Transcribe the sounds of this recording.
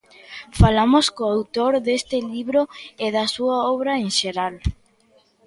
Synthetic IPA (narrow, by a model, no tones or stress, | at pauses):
falamoskoawt̪oɾðest̪ɪliβɾoɪðɐsuɐɔβɾɐeŋʃeɾal